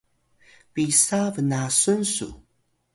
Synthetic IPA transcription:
pisavənasunsṵ

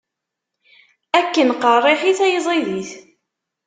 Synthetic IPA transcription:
ækːənqərˤːeħiθæjəzˤiðiθ

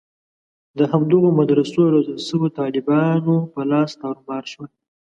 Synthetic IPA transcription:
d̪əɦamd̪əɣomad̪ɾasoɾozəlʃəwot̪ɑlɪbɑnopəlɑst̪aɾmɑɾʃwal

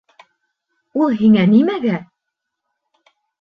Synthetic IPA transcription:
ulˠɦiŋænimæɡæ

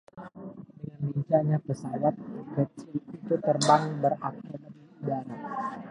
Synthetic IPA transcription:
jamiɲt͡ʃaɲapəsawat̪̚kət͡ʃilit̪ut̪ərbaŋbərak̚tɪrnənidana

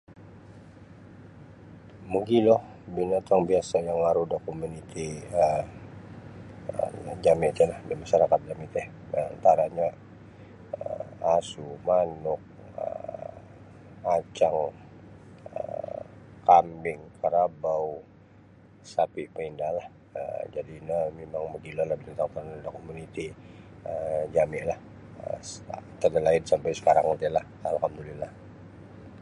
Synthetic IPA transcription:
muɡilɔh | binat̪aŋbiasajaŋlaɾudakomunit̪iə | əd͡ʒamit̪ɛlahdimaʃaɾakat̪̚d͡ʒamit̪ɛh | aa̰nt̪aɾaɲa | əasumanʊk̚ | ə̰ | at͡ʃaŋ | ə̰ | kambɪŋkʰaɾabau | sapɪʔpəindalah | ə̰d͡ʒadiːnamemaŋməɡilalahbinant̪aŋk̪əɾnundakomunit̪iəd͡ʒamɪlah | ə̰t̪ədalaɪnsampajsə̥kaɾaŋut̪ilah | alakamdulilah

